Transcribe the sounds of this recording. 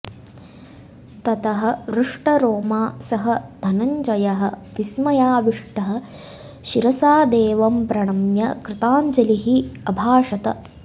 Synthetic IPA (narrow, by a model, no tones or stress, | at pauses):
t̪ɐt̪ɐɦɐ̆ʋɾuʂʈɐɾoːmaːsɐɦɐd̪ʱɐnɐɲd͡ʒɐjɐɦɐʋismɐjaːʋiʂʈɐɦɐ̆ | ʃiɾɐsaːd̪eːʋɐmpɾɐɳ̃ɐmjɐkɾɪt̪aːɲt͡ʃɐliɦiɐbʱaːʂɐt̪ɐ̰